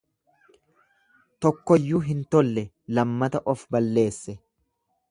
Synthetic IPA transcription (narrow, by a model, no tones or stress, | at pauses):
t̪ɔkːɔjːuːɦɪnt̪ɔlːɛ | lɐmːɐt̪ɐʔɔfbɐlːe̞ːsːɛ